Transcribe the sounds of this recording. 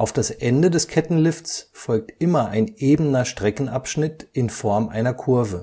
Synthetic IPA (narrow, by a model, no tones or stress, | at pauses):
ʔaʊfd̥asʔɛndədɛskʰɛtn̩lɪftsfɔlk̚tʔɪmɐʔaɪnʔeːbənɐʃtʁ̥ɛkn̩apʃnɪtʔɪnfɔɐmʔa̰ɪnɐkʰʊɐvə